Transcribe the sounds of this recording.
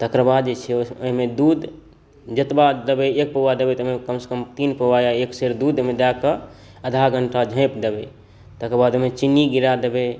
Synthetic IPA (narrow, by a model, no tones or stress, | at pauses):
t̪əkɾəbad̪̚d͡ʒet͡ʃʰɛoɦimed̪ud̪ | d͡ʒət̪bad̪ebeek̚pəʋad̪ebet̪oɦmekəmse̥kəmt̪inpəajaekseɾd̪ud̪oɦmẽd̪akə | əd̪ʱaɡʱəɳʈad͡ʒʱə̃ɪpd̪ebe | t̪əkɾəbad̪oɦmẽt͡ʃinːiɡiɾad̪ebe